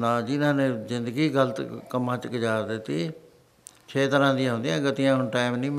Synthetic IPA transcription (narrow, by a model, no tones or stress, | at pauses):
nãːd͡ʒɪnãːnẽːzɪ̃nd̪əɡiːɡələt̪kəmːãːt͡ʃɡəd͡ʒaːɾd̪ɪt̪ːiː | t͡ʃʰeːt̪əɾãːd̪ɪjãːɦʊ̃nd̪jãːɡət̪ɪjãːɦʊnʈaːɪmnĩːm